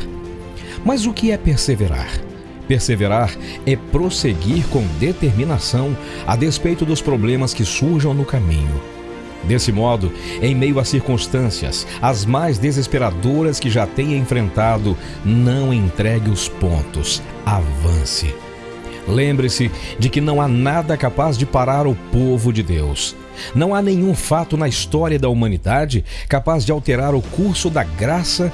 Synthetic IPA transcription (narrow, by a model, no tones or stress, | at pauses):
mɐzʊkɪɛpeɾseveɾa̰ɾ | peɾseveɾaɾ | ɛpɾoseɡiɾkõw̃d̪et̪eɾmĩnasɐ̃w̃ | a̰despejt̪ʊd̪ʊspɾoblẽmɐskɪsuɾʒɐ̃w̃nʊkamḭ̃ɲʊ̰ | d̪esɪmɔd̪ʊ | ẽj̃mejʊɐsiɾkũst̪ɐ̃siɐ̰s | ɐzmajzd̪ezespeɾad̪oɾɐskɪʒat̪ẽj̃ẽfɾẽnt̪ad̪ʊ | nɐ̃w̃ẽt̪ɾɛɡɪʊspõ̰nt̪ʊs | avɐ̃sɪ̰ | lẽmbɾɪsɪd͡ʒɪkɪnɐ̃w̃anad̪ɐkapazd͡ʒɪpaɾaɾʊpovʊd͡ʒɪd̪ews | nɐ̃w̃anẽɲ̃ũfat̪ʊnɐist̪ɔɾiɐd̪ɐumɐ̃nid̪ad͡ʒɪkapazd͡ʒɪawt̪eɾaɾʊkuɾsʊd̪ɐɡɾasɐ